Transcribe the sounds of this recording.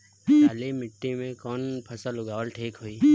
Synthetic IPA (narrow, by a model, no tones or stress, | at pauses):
əlemɪʈːimẽkɔːnpʰɐsəlʊɡaːʋəlʈʰeːkɦoːiː